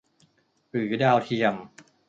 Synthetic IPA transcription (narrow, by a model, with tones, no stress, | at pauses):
pɯː˩˦daː˧wt̪ʰi˧əm